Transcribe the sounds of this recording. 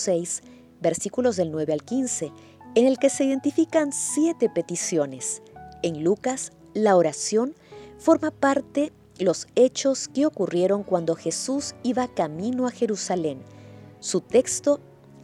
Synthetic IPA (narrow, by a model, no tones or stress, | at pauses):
sejs | be̞ɾsikulo̞zðe̞lnwe̞βealkinse̞ː | ne̞lke̞se̞iðe̞nt̪ifikansje̞t̪e̞pe̞t̪isjo̞ne̞senlukas | laoɾasjo̞nfo̞ɾmapaɾt̪e̞ | lo̞se̞t͡ʃo̞skeo̞kurje̞ɾo̞ŋkwand̪o̞xe̞susiβakamĩnoaxe̞ɾusale̞nsut̪e̞kst̪o̞